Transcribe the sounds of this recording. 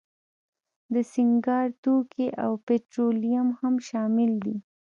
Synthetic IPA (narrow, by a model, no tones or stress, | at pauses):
d̪əsɪŋɡɑɾt̪okʰeʔawpeʈɾolijamhamʃɑmɪld̪i